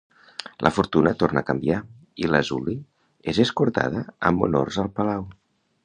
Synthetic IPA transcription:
lʔə̰fuɾt̪unət̪ornəkəmbia | iləzuli | ezeskuɾt̪a̰ðəə̰mṵno̰rzəlˠpəlaw

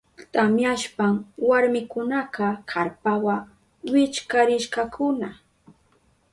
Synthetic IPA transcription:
t̪amjaʃpaŋwaɾmɪkʊnaqɑkʰaɾpawa | wɪt͡ʃkaɾɪʃkakʰʊna

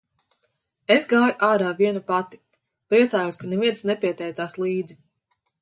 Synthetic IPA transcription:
esɡaːjuʔaːɾaːviɛnupat̪i̥ | pɾiɛt̪saːjuɔskanɛviɛnsnɛpiɛt̪ɛjt̪saːslˠiːd̪zi

